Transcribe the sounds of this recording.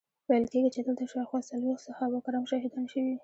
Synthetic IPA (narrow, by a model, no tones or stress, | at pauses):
wajəlkeɡit͡ʃed̪əlt̪aʃawxwɑsalwexsəxawakɾɑmʃɑhid̪ɑnʃəwi